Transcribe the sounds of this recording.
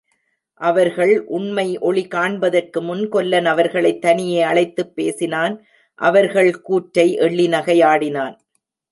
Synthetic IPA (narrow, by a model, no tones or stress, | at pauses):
ʔɐʋɐɾɣɐɭʔʊɳmɐɪʔɔɭikaːɳbɐðɐrkɯmʊnkɔlːɐnɐʋɐɾɣɐɭɐɪt̪ːɐnɪjeːɐɭɐɪt̪ːɯpːeːsɪnaːn | ʔɐ̰ʋɐɾɣɐɭkuːʈɾɐɪʔɛɭːinɐɣɐɪaːɽɪnaːn